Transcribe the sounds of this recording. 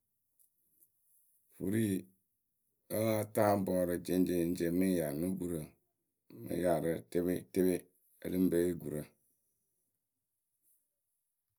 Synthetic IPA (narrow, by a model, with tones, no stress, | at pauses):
fṵ˨ɾi˦ | ə˦ŋa˦ta˦m˦bɔː˨ɾə˨d͡ʒe˨n˦d͡ʒe˨n̩˦d͡ʒe˨mɨ˦ja˨nu˦ɡu˨ɾə˨ | mɨ̰˨ja˨ɾə˨te˦be˦te˦be˦ | ḛ˦lɨ˦m˦be˦ɡu˨ɾə˨